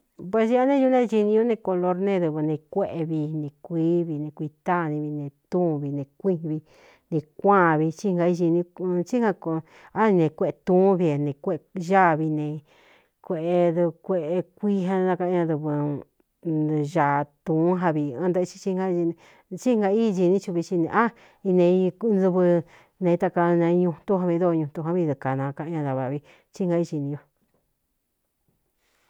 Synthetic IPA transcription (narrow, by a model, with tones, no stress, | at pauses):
pwe˧si˧˦a˧nẽ˦˧ju˧˦nẽ˦˧ʒi˧nĩ˧ũ˦nẽ˧ko˧lo˧ɾnẽ˧ðu˧βɨ˧nẽ˧kʷe˦ʔe˧βi˧nẽ˧kʷiː˦βi˧nẽ˧kʷi˧t̪a˦˨˧nĩ˧βi˧nẽ˧t̪ũ˦˧βi˧nẽ˧˨kʷĩ˦˧βi˧ | nẽ˧kʷã˦˨βi˧t͡ʃi˦˧ŋ˧ɡa˧i˧ʒi˧nĩ˧t͡ʃi˦hã˧ko˧ | a˦nĩ˧nẽ˧kʷe˦˧ʔe˧t̪ũː˦βi˧e˧nẽ˧kʷe˦˧ʒa˦˨βi˧nẽ˧ | kʷe˧ʔe˧ðu˧kʷe˦˧ʔe˧kʷi˦ɦã˧nã˧ka˧ʔɲã˧ðɨ˧βɨ˧ | ʒa˧˨t̪ũː˨˦ɦa˧βi˧ã˦nd̪a˦˧t͡ʃi̥˦t͡ʃi˦ŋɡa˦˧i˧ñ˧ | t͡ʃi˦ŋɡa˧i˦˧d͡ʒi˧nĩ˦t͡ʃu˧βi˧t͡ʃi˧nḛ̃˧ʔa˦ | i˧nẽ˧i˧nzɨ˧βɨ˧ | nẽ˧t̪a˧ka˧nẽ˧ɲũ˧t̪ũ˦ɦã˧βĩ˧ðo˦˧ɲũ˧t̪u˧ɦã˧βi˧ðu˧ka˨nã˧ka˧ʔɲã˧ða˧βa˧˨βi˧ | t͡ʃi˦ŋɡa˧i˦˧t͡ʃi˧nĩ˧jo˧